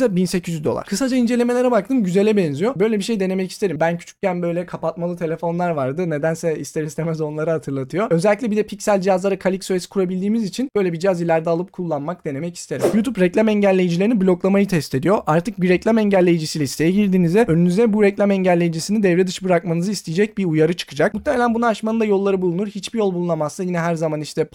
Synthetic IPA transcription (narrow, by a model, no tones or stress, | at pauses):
zɛbinsecʰizyzd̪o̞lˠa̰ɾkʰɯsad͡ʒaind͡ʒe̞lʲe̞melʲeɾɛbak̚t̪ʰɯmɟyze̞lʲɛbɛnzijo̞bø̞jlʲebiʃe̞jd̪e̞ne̞mɛci̥st̪e̞ɾimbæncʰy̥t͡ʃʰy̥cɟænbø̞jlʲɛkʰapat̪malˠɯt̪ʰe̞lʲe̞fo̞nlˠaɾvaɾd̪ɯne̞d̪ænsɛist̪ʰeɾist̪ʰʲemɛzo̞nlˠaɾɯhat̪ʰɯɾlˠat̪ʰɯjo̞ø̞zɛlʲːiclʲɛbid̪ɛpʰicsælʲd͡ʒijazlˠaɾakʰalʲicsoesi̥kʰuɾabilʲd̪iːmizit͡ʃʰinbø̞jlʲebid͡ʒijazilʲæɾd̪ɛalˠɯp̚kʰulˠːanmak̚d̪e̞ne̞mɛci̥st̪e̞ɾḭmjut̪ʰupɾɛclʲˠamɛɲɟælʲːe̞jid͡ʒilʲeiniblʲo̞klˠamajɯt̪ʰɛst̪ʰe̞d̪ijo̞ʔaɾt̪ʰɯk̚biɾɛclʲˠamɛɲɟælʲːe̞jid͡ʒisiːlʲɛist̪ejɛɟiɾd̪iːnizɛønynyzd̪ɛbuɾɛclʲamɛɲɟælʲːe̞jid͡ʒisinid̪ɛvɾɛd̪ɯʃbɯɾak̚manɯzɯist̪ʰijid͡ʒɛc̚biujaɾɯt͡ʃʰɯ̥kʰɯd͡ʒak̚mut̪ːeme̞lʲænbunaaʃmanɯnd̪ajo̞lˠːaɾɯbulˠunuɾhit͡ʃbijo̞lˠbulˠunamasajinɛɦæɾzamaniʃt̪ʰɛ